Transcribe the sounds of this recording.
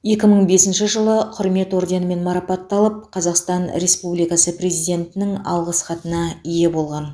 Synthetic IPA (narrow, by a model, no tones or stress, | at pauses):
je̞kʲɪməɴbe̞sɪnʃɪʒəlˠəqʰʊɾme̞t̪o̞ɾd̪enəme̞nmɑɾɑpɑt̪ːɑlˠəp̚qʰɑzɑqst̪ɑnɾe̞spublijkɑsəprʲe̞zijd̪ʲe̞nt̪ɪnɪŋɑ̰lˠʁəsχɑt̪ənɑije̞bo̞lˠʁɑn